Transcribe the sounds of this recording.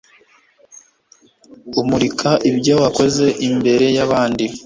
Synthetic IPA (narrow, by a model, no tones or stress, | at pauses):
umuɾikʰaʔibɟowako̞ze̞ʔimbe̞ɾe̞jaβaːndi